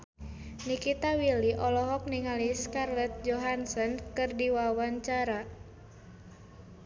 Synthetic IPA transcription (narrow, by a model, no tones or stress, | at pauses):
nikit̪awiliʔɔlɔɦɔk̚niŋaliskarlɛt̪̚d͡ʒɔɦansɔnkɨrdiwawaɲt͡ʃaɾa